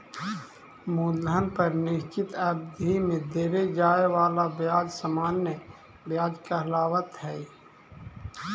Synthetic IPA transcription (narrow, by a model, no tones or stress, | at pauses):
muːld̪ʱənpəɾnɪʃt͡ʃɪt̪əbd̪imẽd̪eːɾed͡ʒaːewaːlabjaːd͡ʒsəmaːnːə | bjaːd͡ʒkəɦlaːwət̪ɦɛː